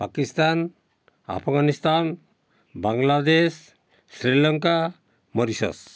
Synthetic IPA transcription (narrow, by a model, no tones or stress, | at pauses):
pakist̪an | a̰pʰɡanist̪an | baŋlad̪esː | ɾilɔŋka | mɔɾisɔ̰s